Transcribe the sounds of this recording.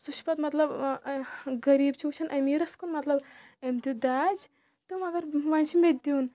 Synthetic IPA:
suʃpɐt̪mɐt̪lɐb | ɡɐɾiːbt͡ʃʰuːt͡ʃʰɐnʔɐmiːɾɐskunmɐt̪lɐb | emt̪ud̪aːd͡ʒ | t̪ɨmɐɡɐɾʋɐnt͡ʃʰimed̪iːn

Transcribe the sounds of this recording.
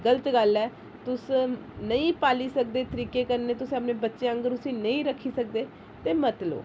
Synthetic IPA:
ɡələt̪ɡəlɛː | t̪ʊsnəĩːpaːliːsək̚d̪eːt̪əɾiːkeːkəɾneːt̪ʊsəpnẽːbətːʃeə̃ŋɡəɾʊsĩːnəĩːɾəkʰːiːsək̚d̪eː | t̪eːmət̪lo̰ː

